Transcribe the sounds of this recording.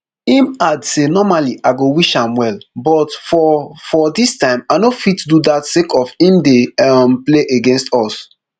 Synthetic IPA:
ĩmadsenɔmaliʔaɪɡowiʃãmwɛlbɔtfɔfɔdistãɪ̃manofitdudatsekʰɔfĩmdeɛmpleʔeɡɛ̃nstɔs

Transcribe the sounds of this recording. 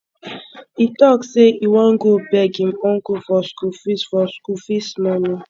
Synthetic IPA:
itɔkseiwãnɡobɛɡĩmɔ̃nɡofɔskufisfɔskufismɔnĩ

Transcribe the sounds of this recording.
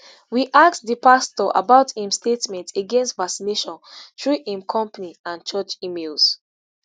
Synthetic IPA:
wiʔak̚tdəpastɔʔa̰baʊthĩmstetmɛ̃nteɡɛ̃nstvaksineʃɔ̃ntɹuʔĩmkʰɔ̃mpəniãnt͡ʃɔt͡ʃimels

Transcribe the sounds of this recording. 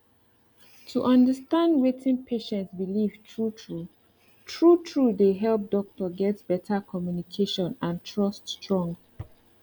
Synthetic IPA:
tʰuʔʌ̃ndəstãndwetʰɪ̃npʰeʃɛ̃ntsbiliv̥tʰɹutʰɹu | tʰɹutʰɹudeɦɛlp̚dɔk̚tɔɡɛtb̥ɛtʰakʰɔmjunikʰeʃɔ̃nãntʰɹɔststɹɔ̃ŋɡ

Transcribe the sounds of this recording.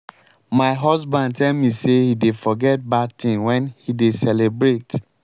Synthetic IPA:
maɪɦɔsbãnd̚tɛlmisehidefɔɡɛt̚batĩnwɛ̃nhidesɛlebɹet

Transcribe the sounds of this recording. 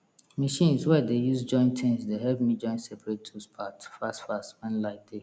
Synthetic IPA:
maʃĩnswɛdejusd͡ʒɔ̃ɪ̃ntʰɛ̃nsdeɦɛlpmid͡ʒɔ̃ɪ̃nsɛpʰɹetʰuspʰatfastfastwãnlaɪt̚de

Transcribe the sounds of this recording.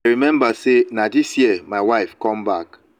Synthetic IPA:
ɹimɛ̃mbasenadisjiəmaɪwaɪfkɔ̃mbak

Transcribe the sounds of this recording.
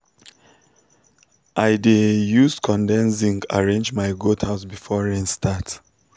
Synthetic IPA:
ʔaɪdejuskʰɔ̃ndɛ̃nsĩŋɡa̰ɹẽnd͡ʒmaɪɡothaʊsbifɔɹɛ̃nstʰat

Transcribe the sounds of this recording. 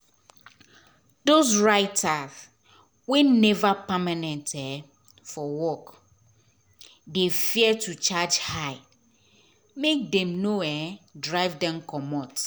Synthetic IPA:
dos̬ɹaɪtʰas | wenɛvapamãnɛ̃ntʰɛ | fɔwɔk | defiɛtʰut͡ʃʰad͡ʒhaɪ | mek̚dɛ̃mnoɛdɹaɪvdɛ̃mkʰɔmɔt

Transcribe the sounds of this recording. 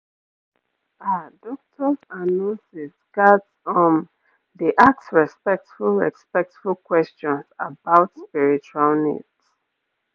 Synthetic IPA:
adɔk̚tʰɔzanɔ̃sisɡadsɔ̃n | diʔaksɹɛspɛk̚tfulˠɹɛ̰spɛk̚tfulkwɛst͡ʃɔ̃nsabaʊtspiɹit͡ʃualnḭds

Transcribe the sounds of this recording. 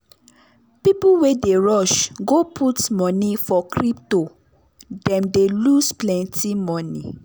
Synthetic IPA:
pipuwedeɹɔʃɡopʰutmɔ̃nifɔkʰɾipto | dɛ̃mdelusplɛ̃ntʰimɔ̃nḭ

